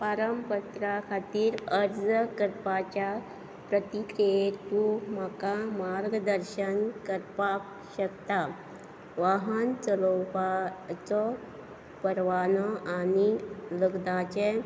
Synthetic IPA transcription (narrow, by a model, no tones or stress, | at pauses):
paɾəmpət̪ɾakʰat̪iːɾəɾd͡zəkəɾpat͡ɕja | pɾət̪ikɾiet̪um̤akamaɾɡd̪əɾɕənkəɾpa | ɕəkt̪a | ʋaɦənt͡səlɔpat͡sɔ | pəɾʋanɔʔaniləɡd̪at͡ɕe